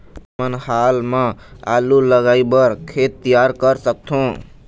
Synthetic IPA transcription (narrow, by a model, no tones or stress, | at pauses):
mənhalmẽa̰luləɡaibəɾkʰet̪ːijaɾkəɾsək̚t̪ʰũ